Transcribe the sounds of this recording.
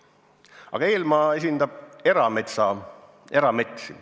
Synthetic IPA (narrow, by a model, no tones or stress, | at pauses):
ɑ̰ɡɑeːlmɑːe̞s̬ʲind̪̥ɑb̥̚e̞ɾɑmet̪sɑ | e̞ɾɑme̞t̪si